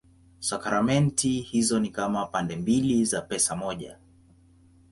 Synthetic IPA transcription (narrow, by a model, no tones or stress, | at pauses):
sakaɾamɛntihizɔnikamapandɛmbilizapɛsamɔʄa̰